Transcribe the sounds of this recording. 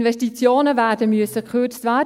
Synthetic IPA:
nʋɛstit͡sjoːnəvæːd̥əmyəsəkʰøt͡stvæː

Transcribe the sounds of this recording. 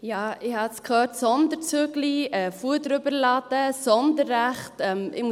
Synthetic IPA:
jɑːɪhɑskhœːtsɔnd̪əɾt͡søɡliɛfuədɾʏbəɾlɑd̥əsɔndəɾːæχtɛmʔɪ̰mu

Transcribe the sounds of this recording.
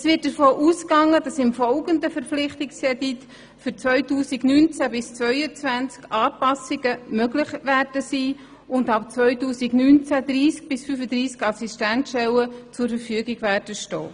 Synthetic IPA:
sʋɪt̚dəɾfɔːʔuːskɑŋːəd̥ɑsɪmfɔlɡəndəfəɾflɪχtɪksɛdit | fʏɾt͡svœʏtuːsiɡnyːnt͡sæbɪst͡sʋœʏət͡sʋænt͡skɑːpɑsɪɡəmœɡlɪχʋæːrd̥əsiː | ʊndɑp̚t͡svœʏtuːsiɡnyːnt͡sæd̪ɾiːsk̚b̥ɪsfyfədɾiːskɑsistæntʃɛlət͡sʊɾfəɾfyəɡiɡʋæːrd̥əʃtɔ̰ː

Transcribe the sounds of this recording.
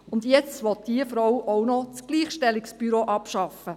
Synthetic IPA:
ʊndjɛt͡sʋɔt̪d̥iəfɾɔwɔwnɔt͡sɡ̥liːχʃtɛliksb̥yɾoːʔɑpʃɑfə

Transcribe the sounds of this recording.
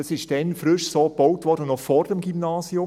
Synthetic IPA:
ɑsɪʃtɛnfrʏʃsoːbɔʊtʋɔɾdənɔfɔrdɛmɡ̥imnaːsiʊ

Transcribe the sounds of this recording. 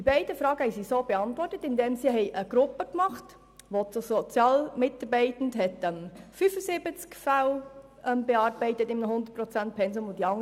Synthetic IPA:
dd̥ibɛɪd̥əfɾɑːɡəhɛɪsisoːbeɑntʋɔrtətɪndeːmsiɦɛɪʔəɡ̥ɾʊpːəkmɑχt | ʋot͡susɔt͡sjɑːlmɪtɑɾbɛɪtən̩tɦɛtɛmfyfəsɪbət͡skfal | ɛmbeɑːɾb̥ɛɪtətɪmnəhʊnd̪ət̚pɾɔt͡sænt̚pʰɛns̬omʊd̥iɑŋ

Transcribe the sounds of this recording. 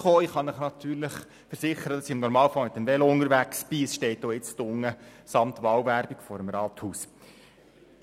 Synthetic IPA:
χoːiχɑnəχnɑt̪yːrləχ | fəɾsɪχəɾədɑsiɪmnɔɾmɑːləfɑlmɪt̪ənʋɛlʊnəɾʋæksb̥iːəsʃtɛɪtoːɪt͡stʊŋːəsɑmt̪ʋɑwvæɾb̥ikfɔɾəmɾɑːt̪huːs

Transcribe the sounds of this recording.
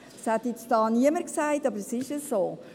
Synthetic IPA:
shɛt̪jɪt͡sd̥ɑːniəməɾksæɪtɑbəɾsɪʃəsoː

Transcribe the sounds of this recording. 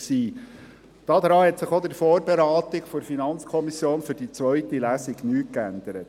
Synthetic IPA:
siː | d̥ɑːd̪ɾɑːhɛtsɪχod̪ɪɾfoːrbeɾɑːt̪ɪkfɔɾfinɑnt͡skʰɔmisjoːnfɵɾd̥it͡svœɥt̪ilæːsiɡnyːt̚kænd̪əɾət̪

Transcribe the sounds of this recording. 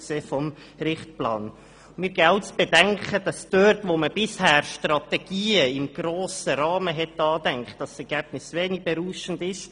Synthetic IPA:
kseːfɔm | ɾɪχt̚plɑ̰ːn | mɪːɾɡɛʊtsb̥ɛdɛŋkəd̥ɑsd̥øɾtʋoməb̥ɪshæːɾʃtrɑt̪ɛɡ̥iːəɪmɡ̥ɾoːsəɾɑːməɦɛt̪ɑːdɛŋkχt̚d̥ɑsɛɾɡ̥ɛb̥nɪsʋeːnɪɡ̚bɛɾuːʃəndɪʃ

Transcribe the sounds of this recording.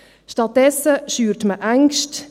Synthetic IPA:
ʃtɑt̚dɛsːəʃyːɾtməʔæŋkʃt

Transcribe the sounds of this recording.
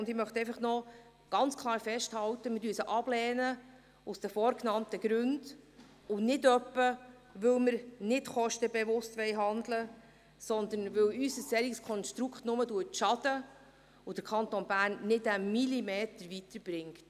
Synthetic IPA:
ʊndɪmœχt̪ɛɪfɑχnɔ | ɡ̥ɑnt͡skʰlˠɑːɾfɛʃthɑwtəmɪdyːəsəʔɑb̥lɛːnə | ʊsd̥əfɔːɾknɑntəɡ̥ɾʉnd | ʊnɪdœpːə | ʋɵlməɾnɪtχɔʃtəbɛvʊstʋɛɪɦɑnd̪lə | sɔnd̪ənʋɵwysəsːɛɾikskʰɔnʃtɾukχtnʊməduətʃɑdə | od̥əɾkʰɑnt̪onbæːɾnːɪtæmilimeːtəɾvitəɾb̥ɾɪŋkt

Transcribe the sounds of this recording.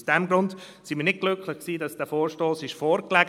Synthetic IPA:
sd̥ɛmɡɾʊnd | sɪmiːnɪt̚ɡ̥lʏkʰlɪχksiːdɑsd̥ɛːfɔːɾʃtoːsɪʃfɔːɾklɛɡ

